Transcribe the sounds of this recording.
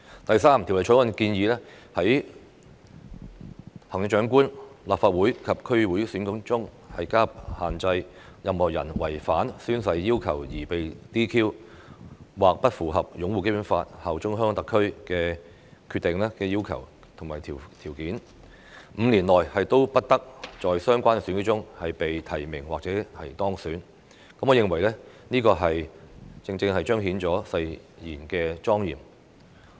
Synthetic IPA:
t̪ɐ˨jsaː˥mt̪ʰi˨˩wle˨˩jt͡ʃʰɔ˨˥wɐ˨˥nkiː˧njiː˨˧lɛː˥hɐ˨˥j | hɐ˨˩ŋjɪ˧ŋ̚t͡ʃœː˨˥ŋkuː˥nlaː˨p̚faː˧t̚wuː˨˥jkʰɐ˨p̚kʰɵ˥ɥwuː˨˥jsyː˨˥nkʊ˨˥ŋt͡sʊ˥ŋ | hɐ̰˨jkaː˥haː˨˩nt͡sɐ˧jjɐ˧mhɔː˨˩jɐ̰˨˩nwɐ̰˨˩jfaː˨˥nsyː˥nsɐ˧jːiː˥wkʰɐ̰˨˩wjiː˨˩pe˨jt̪iː˥kʰiː˥w | waː˨k̚pɐ˥t̚fuː˨˩ɦɐ˨p̚jʊ˨˥ŋwu˨˧ke˥jpuː˨˥nfaː˧t̚hɐ˨wt͡ʃʊ˥ŋɦœː˥ŋ˥˧t̪ɐ˨kʰːɵ˥ɥkɛː˧ | kʰy˧t̪ːɪ˨ŋlɛː˥kɛː˧ji˥wkʰɐ̰˨˩w | t̪ʰʊ˨˩ŋmaː˨˩jt̪ʰi˨˩t̪ʰiː˨˩wkiː˨˥n | m̩ː˨˧nliː˨˩nlɔː˨jhɐ˨jt̪o˥wpɐ˥t̚t̪ɐ˥k̚t͡sɔː˨jsœː˥ŋkʷaː˥nksyː˨˥nki˥t͡ʃʊ˥ŋhɐ˨jpe˨jt̪ʰɐ˨˩jmɪ̰˨˩ŋwa̰ː˨k̚t͡sɛː˨˥hɐ˨jt̪ɔː˥ŋsyː˨˥n | kɐ˧˥mɔ˨˧jɪ˨˧ŋwɐ˨˩jlɛ˥niː˥kɔː˧ɦɐ˨jt͡sɪ˧ŋt͡sɪ˧ŋhɐ˨jt͡ʃœː˥ŋɦiː˨˥nt͡sɔː˨˥sɐ˧j | jiː˨˩nkɛː˧t͡sɔː˥ŋjḭː˨˩m

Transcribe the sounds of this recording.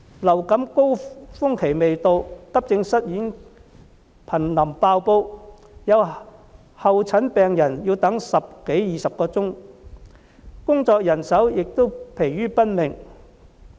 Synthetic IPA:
lɐ˨˩wkɐ˨˥mko˥wfʊ˥ŋkʰe˨˩jme˨jt̪o˧wkɐ˥p̚t͡sɪ˧ŋsɐ˥t̚jiː˨˥n | pʰɐ˨˩nlɐ˨˩mpaː˧wpo˧w | jɐ˨˧w | hɐ˨wt͡sʰɐ˨˥npɛː˨ŋjɐ˨˩njiː˧wt̪ɐ˨˥ŋsɐ˨p̚ke˨˥jjiː˨sɐ˨p̚kɔː˧t͡sʊ˥ŋ | kʊ˥ŋt͡sɔː˧k̚jɐ˨˩nsɐ˨˥wjɪ˨k̚t̪o˥wpʰe˨˩jːyː˥pɐ˥n̚mɪ˨˩ŋ

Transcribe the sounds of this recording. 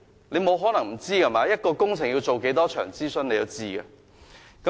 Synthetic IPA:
ne˨˧jmo˨˧wɦɔː˨˥nɐ˨˩ŋm̩˨˩t͡siː˥ka˨˩maː˨˥jɐ˥t̚kɔː˧kʊ˥ŋt͡sʰɪ˨˩ŋji˧wt͡so˨wke˨˥jt̪ɔː˥t͡ʃʰœ̰ː˨˩ŋt͡siː˥sɵ˧ne˨˧jɐ˨˧wt͡siː˥ɡɐ̰˧ | kɐ˦

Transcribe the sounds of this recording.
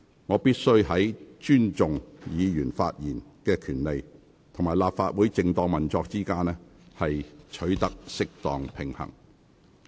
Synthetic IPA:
ŋɔː˨˧piː˥t̚sɵ˥ɥɦɐ˨˥jt͡ʃyː˥nt͡sʊ˨ŋjiː˨˧jyː˨˩nfa̰ː˧t̚jiː˨˩nkɛː˧kʰyː˨˩nle˨j | t̪ʰʊ˨ŋmaː˨˩jlaː˨p̚faː˧t̚wuː˨˥jt͡sɪ˨˧ŋt̪ɔː˨˧ŋmɐ˨nt͡sɔː˧k̚t͡siː˥kaː˥nɛ˥hɐ˨jt͡ʃʰɵ˨˥ɥt̪ɐ˥k̚sɪ˥k̚t̪ɔː˨ŋpʰɪ˨˩ŋhɐ̰˨˩ŋ

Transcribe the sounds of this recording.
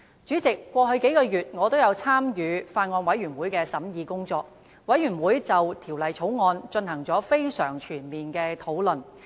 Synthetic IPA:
t͡ʃyː˨˥t͡sɪ˨kːwɔː˧ɦɵ˧ɥke˨˥jkɔː˧jyː˨t̚ŋɔː˨˧t̪o˥wjɐ˨˧wt͡sʰaː˥mjyː˨˧faː˧nŋɔː˧nwɐ˨˥jyː˨˩nwuː˨˥jkɛː˧sɐ˨˥mjiː˨˧kʊ˥ŋt͡sɔː˧k̚ | wɐ˨˥jyː˨˩nwuː˨˥jt͡sɐ˨wt̪ʰiː˨˩wlɐ˨jt͡sʰo˨˥wŋɔː˧nt͡ʃɵ˧nhɐ˨˩ŋt͡sɔː˨˥fe˥jsœː˨˩ŋt͡ʃʰyː˨˩nmiː˨nkɛː˧t̪ʰo˨˥wlɵ˨n

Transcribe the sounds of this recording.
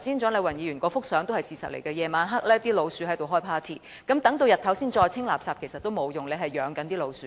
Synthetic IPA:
siː˨˥nt͡ʃɔː˨˥le˨˧wɐ˨˩njiː˨˧jyː˨˩nkʷɔː˧fʊ˥k̚sœː˨˥ŋt̪o˥ɐ˨jsiː˨sɐ̰˨t̚lḛ˨˩jkɛː˧jɛː˨˧maː˨˧nɦɐ˥k̚lɛː˥t̪iː˥lo˨˧wsyː˨˥hɐ˨˥jt̪o˨wɦɔː˥jpʰaː˥t̪ʰḭː˨˩ | kɐ˨˥mt̪ɐ˨˥ŋt̪o˧wjɐ˨˩t̪̚ʰɐ˨˥wsiː˥nt͡ʃɔː˧jt͡sʰɪ˥ŋlaː˨p̚saː˧p̚kʰe˨˩jsɐ˨t̪̚ːo˥wmo˨˧wjʊ˨ŋle˨˧ɦɐ˨jœː˨˧ŋkɐ˨˥nt̪iː˥lo˨˧wsyː˨˧

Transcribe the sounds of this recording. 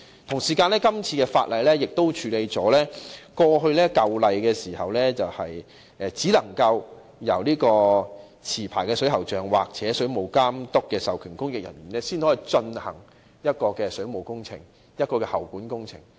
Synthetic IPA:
t̪ʰʊ˨˩ŋsiː˨˩kaː˧nlɛː˥kɐ˥mt͡sʰiː˧kɛː˧fa̰ː˧t̚lɐ˨jlɛː˥jɪ˨k̚t̪o˥wt͡ʃʰyː˨˧le˧jt͡sɔː˨˥lɛː˥kɔː˧ɦɵ˧ɥlɛː˥kɐ˧wlɐ˨jkɛː˧siː˨˩hɐ˨wlɛː˥t͡sɐ˨whɐ˨j | ʔɛ˨t͡siː˨˥lɐ˨˩ŋkɐ˧w | jɐ̰˨˩wliː˥kɔː˧ | t͡sʰiː˨˩pʰaː˨˩jkɛː˧sɵ˨˥ɥɦɐ˨˩wt͡ʃœː˨ŋwa̰ː˨k̚t͡sɛː˨˥sɵ˨˥ɥmo˨wkaː˥mt̪ʊ˥kːɛː˧sɐ˨wkʰyː˨˩nkʊ˥ŋjɪ˨k̚jɐ̰˨˩njyː˨˩nɛː˥siː˥nhɔː˨˥i˨˩t͡ʃɵ˧nhɐ˨˩ŋ | jɐ˥t̚kɔː˧kɛː˧sɵ˨˥ɥmo˨˩wkʊ˥ŋt͡sʰɪ̰˨˩ŋ | jɐ˥t̚kɔː˧kɛː˧hɐ˨˩wkuː˨˥nkʊ˥ŋt͡sʰɪ̰˨˩ŋ

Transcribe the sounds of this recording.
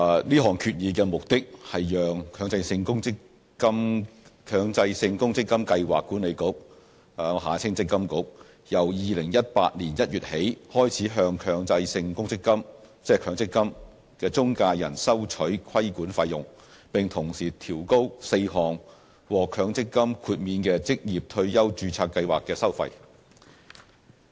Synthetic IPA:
liː˥ɦɔː˨˩ŋkʰyː˨t̚jiː˨˧kɛː˧mʊ˨k̚t̪ɪ˥k̚hɐ˨jjœː˨ŋkʰœː˨˧ŋt͡sɐ˧jsɪ˧ŋkʊ˥ŋt͡sɪ˥kː | ɐ˥mkʰœː˨˧ŋt͡sɐ˧jsɪ˧ŋkʊ˥ŋt͡sɪ˥kːɐ˥mkɐ˧jwa̰ː˨kːuː˨˥nle˨˧jkʊ˨˥k̚ | hːŋɦaː˨˥t͡sʰɪ˥ŋt͡sɪ˥kːɐ˥mkʊ˨˥k̚ | jɐ˨˩wjiː˨˧lɪ˨˩ŋjɐ˥t̚pa̰ː˧t̚nliː˨˩njɐ˥t̚jyː˨t̚he˨˥jhɔː˥jt͡sʰiː˨˥ɦœː˧ŋkʰœː˨˧ŋt͡sɐ˧jsɪ˧ŋkʊ˥ŋt͡sɪ˥kːɐ˥m | t͡sɛː˥kʰœː˨˧ŋt͡sɪ˥kːɐ˥m | kɛː˧t͡sʊ˥ŋkaː˧jɐ̰˨˩nsɐ˥wt͡ʃʰɵ˨˥ɥkʰɐ˥jkuː˨˥nfɐ˧jʊ˨ŋ | pɪ˨ŋt̪ʰʊ˨˩ŋsiː˨˩t̪ʰiː˨˩wko˥wse˧jɦɔː˨˩ŋ | wɔː˨kʰœː˨˧ŋt͡sɪ˥kːɐ˥mkʰuː˧t̚miː˧nkɛː˧t͡sɪ˥k̚jiː˨p̚t̪ʰɵ˧ɥjɐ˥wt͡ʃyː˧t͡sʰaː˧k̚ːɐ˧jwaː˨kːɛː˧sɐ˥wfɐ̰˧j

